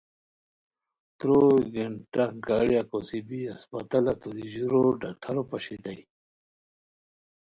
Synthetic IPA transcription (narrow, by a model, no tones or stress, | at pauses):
t̪ɾoɡeɳʈakɡaːɽjakosibiɐspɐ̰t̪ɐlat̪ud̪iʑuɾoɖak̚ʈʰɐɾopɐɕit̪ai